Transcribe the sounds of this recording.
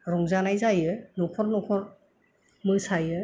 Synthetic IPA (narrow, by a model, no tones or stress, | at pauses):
ɾɔŋzanajzajɯnɔkʰɔɾnɔkʰɔɾ | mɯsajɯ